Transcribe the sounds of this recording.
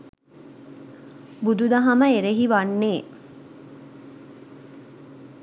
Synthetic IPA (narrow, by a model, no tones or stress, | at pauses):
bud̪ud̪ɐɦɐməeɾeɦiʋanːeː